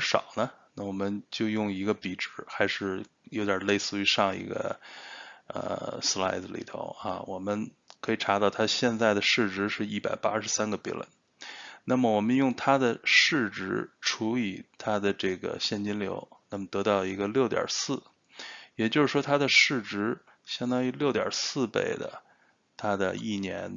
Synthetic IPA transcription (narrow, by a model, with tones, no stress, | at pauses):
ʂɑ̰˨˩ʊnə˦nna˥˩wɔ˨˩mə˦nt͡ɕjo˥˧ʊjʊ˥˩ŋi˧˥ɡə˧pi˨˩ʈ͡ʂɻ̩˧˥xa˧˥ɪʂɻ̩˥˧ | jo˧˥ʊt̪jɑ˨˩le˥˧ɪsɹ̩˥˧y˧˥ʂɑ˥˩ŋḭ˧˥ɡə̰˧ | ə̰˧sla̰˥˩ɪd͡z̩˧lḭ˨˩t̪ʰo̰˧˥ʊɐ̰˧wɔ˨˩mə˦n | kʰɤ˧˥i˨˩ʈ͡ʂʰa˧˥t̪ɑ˥˩ʊt̪ʰa˥ɕjɛ˥˧nt͡sa˥˩ɪd̪ə˩ʂɻ̩˥˩ʈ͡ʂɻ̩˧˥ʂɻ̩˥˧i˥˩pa˨˩ɪpa˥ʂɻ̩˧˥sa˥nɡə˨pḭ˧˥lə̰˧˥˦n | na˥˩mə˩wɔ˨˩mə˦njʊ˥˩ŋt̪ʰa˥d̪ə˨ʂɻ̩˥˩ʈ͡ʂɻ̩˧˥ʈ͡ʂʰu˧˥i˨˩t̪ʰa˥d̪ə˨ʈ͡ʂɤ˥˩ɡə̰˩ɕjɛ˥˩nt͡ɕi˥nljo̰˧˥ʊna˥˩mə˩t̪ɤ˧˥t̪ɑ˥˩ʊi˧˥ɡə˧ljo˥˩ʊt̪ʲjɑ̰˨˩sɹ̩˥˩ | jɛ˨˩t͡ɕjo˥˧ʊʂɻ̩˥˩ʂwɔ˥t̪ʰa˥d̪ə˨ʂɻ̩˥˩ʈ͡ʂɻ̩˧˥ | ɕjɑ˥ŋd̪ɑ˥˧i˥ljo˥˩ʊt̪jɑ̰˨˩sɹ̩˥˧pḛ˥˩ɪd̪ə̰˩ | t̪ʰa˥d̪ə̰˧i˥˩njɛ̰˧˥n